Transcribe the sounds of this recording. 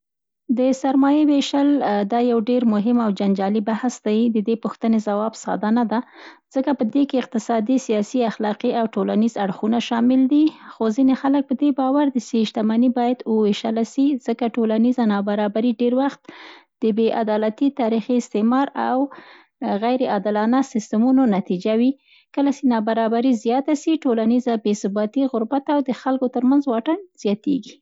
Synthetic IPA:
d̪əsaɾmɑjeweʃald̪ɑjawɖeɾmʊɦɪmawd͡ʒand͡ʒɑlibahsd̪ajd̪əd̪epʊxt̪ənezawɑbsɑ̰d̪anad̪az̥əkapəd̪ekeɪq̚t̪ɪsɑd̪isijɑsiaxlɑqiawʈolanizaɽxunaʃɑmɪld̪ixozinexalək̚pəd̪ebɑwaɾd̪əseʃt̪amanibɑjad̪wəweʃalaʃiz̥əkaʈolanizanɑbaɾɑbaɾiɖeɾwaxt̪̚d̪̥əbeʔa̰d̪ɑlat̪it̪ɑɾixiɪst̪emɑɾaw | ɣajɾeɑd̪ɪlɑnasɪst̪əmunonat̪id͡ʒawi | kəlasenɑbaɾɑbaɾizijɑt̪asiʈolanizabesʊbɑt̪iɣʊɾbat̪awd̪əxalkot̪əɾmanzwɑʈanz̥jɑt̪ḛɡi

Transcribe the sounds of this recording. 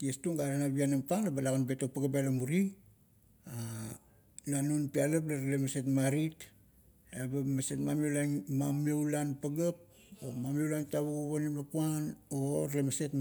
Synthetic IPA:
tiestuŋɡaɾanaβianampaŋlabalaɡanbe̞topaɡabalamuɾi | a | lanunpialap̬laɾalemase̞tmaɾit | abamase̞tmamiewlaŋmamewlanpaɡap̚ | omamewlantaβuɡuβonimlapuanoɾlemase̞t

